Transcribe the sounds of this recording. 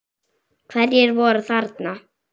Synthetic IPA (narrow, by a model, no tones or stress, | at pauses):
kʰvɛɾjɛɾvɔɾaθaɾt̪na